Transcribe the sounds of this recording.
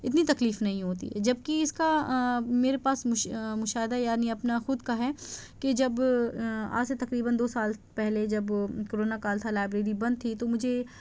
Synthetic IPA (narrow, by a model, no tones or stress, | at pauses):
ɪt̪nit̪ɐkliːfnɐɦĩɦoːt̪ḭɦɛ̰d͡ʒɐb̚kiɪskameːɾepaːsʊmʊʃaːɦɪd̪ajaːniɐpnaxʊd̪kaɦɛked͡ʒɐb | a̰ːset̪ɐkɾiːbənd̪oːsaːlpɛɦled͡ʒɐbkoɾoːnakaːlt̪ʰalaːbɾeːɾibɐ̃nd̪̚t̪ʰit̪omʊd͡ʒʱe